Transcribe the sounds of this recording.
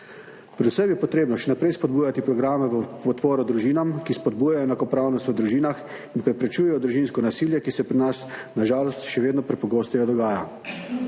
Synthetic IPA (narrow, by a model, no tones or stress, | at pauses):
pɾɛd̪usəmjɛpɔt̪ɾeːbnɔʃɛnapɾɛjspɔd̪buːjat̪ipɾɔɡɾaːmɛʋəpɔt̪poːɾɔd̪ɾuʒiːnamkispɔd̪buːjajɔɛnakɔpɾaːwnɔst̪ʋəd̪ɾuʒiːnax | inpɾɛpɾɛt͡ʃuːjɛjɔd̪ɾuʒiːnskɔnasiːljɛkisɛpɾinasnaʒaːlɔst̪ʃɛʋeːd̪nɔpɾɛpɔɡoːst̪ɛjɔd̪ɔɡaːja